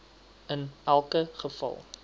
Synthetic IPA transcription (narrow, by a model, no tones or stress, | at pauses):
ənælˠkəχəfɑ̰lˠ